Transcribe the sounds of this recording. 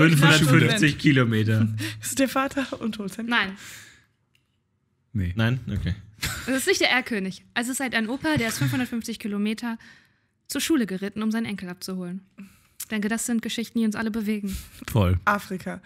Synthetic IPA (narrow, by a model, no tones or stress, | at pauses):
fʏnfhʊndɐfʏnfft͡sɪçkʰilomeːtɐɪsd̥eːɐfaːtʰɐʊnthoːltannaɪn | nenaɪnʔo̰kʰeːɛsɪstnɪçtd̥eːɐeːɐkʰøːnɪçʔasɪsthaltaɪnʔoːpɐdeːɐɪstfʏnfhʊndɐtfʏnft͡sɪçkʰiːlomeːtʰɐ | t͡suːɐʃuːləɡəʁɪtn̩ʊmzaɪnʔɛŋkl̩ap̚t͡suhoːlən | d̥ɛŋkədasz̥ɪnt̚ɡ̥əʃɪçtn̩d̥iːʊnsʔa̰ləbəveːɡŋ̩fɔlʔaːfʁ̥ikʰa